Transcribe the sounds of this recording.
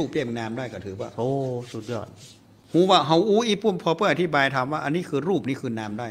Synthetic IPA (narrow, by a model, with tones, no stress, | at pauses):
uː˥˩p̚li˧˩mnaː˧mdaː˥˩jkɔː˧˩ɯː˨˦waː˧˩ʔoː˧su˨˩t̪̚jɔ̰ː˧˩t̪̚ | huː˨˦waː˧˩ɦa˧˥˩wʔuː˦˥ʔiː˧˥˩pu˧˩əmpʰɔː˧pɤː˧˩˨ʔt̪ʰiː˦˥˩baː˧jt̪ʰaː˧mwaː˥˩ʔa˧nːiː˦˥kʰɯː˧ɾuː˥˩p̚niː˦˥kʰɯː˧naː˧mdaː˥˩